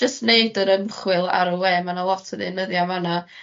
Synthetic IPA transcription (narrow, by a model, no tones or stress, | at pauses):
d͡ʒəstneɨdəɾəmχwɨlˠa̰ɾəwɛːmanalˠɔtʰəðɪnəðjamana